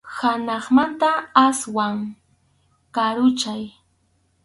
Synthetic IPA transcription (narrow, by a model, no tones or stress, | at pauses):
hanɑχmant̪aaswaŋ | kaɾʊt͡ʃaj